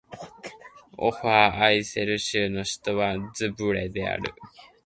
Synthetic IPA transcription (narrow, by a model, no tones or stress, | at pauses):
o̰ɸaːise̞ɾɯ̟ɕɨːno̞ɕi̥t̪o̞βazɨbɯ̟ɾe̞d̪e̞a̰ɾɯ̟̰